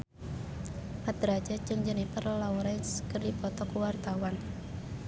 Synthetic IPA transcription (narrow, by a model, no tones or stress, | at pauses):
pad̪ɾḁd͡ʒat͡ʃɨŋd͡ʒənipərlɔuɾɛnskərdipɔt̪ɔkuwart̪awan